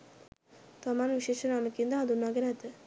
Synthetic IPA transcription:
t̪amaːnʋiʃeːʃənaməkind̪aɦand̪unːaːɡɛnɛt̪ə

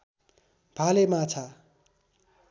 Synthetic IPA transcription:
b̥ʱalemat͡sʰa

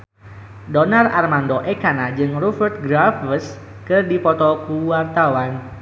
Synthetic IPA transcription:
dɔnara̰rmandɔʔekanad͡ʒɨŋrufərt̪̚ɡɾafəs | kɨrdipɔt̪ɔkuwart̪awan

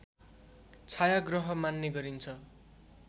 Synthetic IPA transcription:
t͡sʰajaɡrʌɦʌmanːeɡʌɾint͡sʰʌ

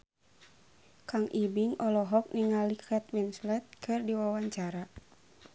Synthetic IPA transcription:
kaŋʔibiŋɔlɔɦɔk̚niŋalikʰɛt̪winslɛt̪̚kʰɨrdiwawaɲt͡ʃaɾa

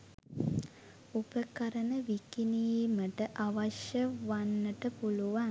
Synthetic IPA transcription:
upəkɐɾənəʋikinijməʈəʔaʋaʃjəʋanːəʈəpuluʋaŋ

